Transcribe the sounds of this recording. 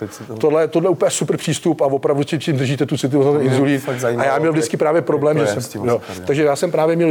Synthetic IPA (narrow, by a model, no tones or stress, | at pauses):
t̪odlɛjɛt̪odlɛjɛupəɲɛsupr̩pr̥iːst̪upavo̞pɾavducɪcimd̪r̩ʒiːt̪ɛt̪ut͡sɪt̪ɪvonat̪ɛnɪnzuliːnajaːmɲɛlvdɪt͡skɪpɾaːvjɛpɾo̞blɛːmʒɛsɛmjot̪aɡʒɛjaːsɛmpɾaːvjɛmɲɛl